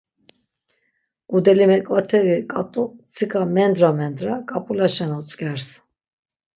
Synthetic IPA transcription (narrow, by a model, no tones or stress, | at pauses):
ud̪ɛlimɛkʼwat̪ʰɛvikʼat̪ʼut͡sʰikʰamɛnd̪ɾamɛnd̪ɾakʼapʼulaʃɛnɔt͡sʼkʼɛɾs